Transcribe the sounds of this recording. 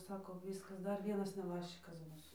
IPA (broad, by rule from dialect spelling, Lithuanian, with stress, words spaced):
ˈsɑːkoː ˈʋʲɪskɐs ˈdɐr ˈʋʲiɛnɐs nʲɛˈbɑːʃʲt͡ʃʲɪkɐs ˈbʊs